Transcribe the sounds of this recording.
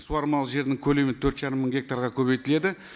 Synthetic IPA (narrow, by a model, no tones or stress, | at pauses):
suɑɾmɑlˠəʒe̞ɾnɪŋkʲʰɵlement̪ʰɵɾt̪ʒɑɾəmːəɴŋɡʲe̞k̚t̪aɾʁɑkʲʰɵbe̞jt̪ɪle̞d̪ɪ